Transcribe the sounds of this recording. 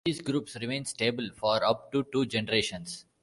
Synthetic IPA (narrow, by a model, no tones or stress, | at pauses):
iːzɡɾuːpsɾɪmẽːnsʈeːbəlfɔːɾʌp̚ʈuʈuːd͡ʒɛnəɾeːʃə̃ns